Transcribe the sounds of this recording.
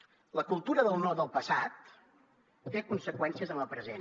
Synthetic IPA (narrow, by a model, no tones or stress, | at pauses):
ləkulˠt̪uɾəðəlˠnɔrd̪əlˠpəsat̪̚ː | ekunsəkwɛnsiəzənləpɾəze